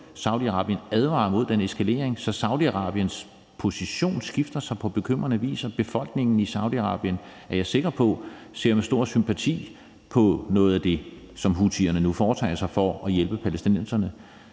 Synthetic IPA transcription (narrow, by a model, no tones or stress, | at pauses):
sɑ̈ʊd̥iɑ̈ʁɑ̈ːb̥jənæðˠʋɑ̰̈ːmo̝ð̞̰ˠd̥ene̝sɡ̥ʰæle̝̰ːɐeŋsɒ̽sɑ̈ʊd̥iɑ̈ʁɑ̰̈ːb̥jəns | pʰo̝siɕo̝̰ːnsɡ̥ifd̥ɐsɑ̈ɪpʰɒ̽b̥e̝kʰøm̰ʁɐnəʋḭːsɒb̥e̝fɒ̽l̰ɡ̥ne̝ŋn̩isɑ̈ʊdiɑ̈ʁɑ̰̈ːb̥jən | æɐjɑ̈ɪse̝ɡ̥ɐpʰɒ̽ | se̝̰ɐ̰mesd̥o̝ɐ̰sympʰæt͡sʰḭː | pʰɒ̽nɔ̽ːð̞̩ˠæd̥e̝ | sɒ̽mɦut͡sʰiɐnənufɒːt͡sʰɑ̰ɪsɑ̈ɪfɒæjelb̥əpʰælesd̥inen̰sɐnə